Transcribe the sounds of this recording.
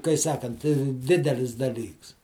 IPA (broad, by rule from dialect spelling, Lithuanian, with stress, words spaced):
kɐɪ ˈsɑːkɐnt ˈdʲɪdʲɛlʲɪs dɐˈlʲiːks